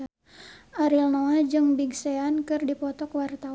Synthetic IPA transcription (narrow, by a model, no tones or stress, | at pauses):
ʔaɾilnoad͡ʒɨŋbiɡseankɨrdipɔt̪ɔkwart̪a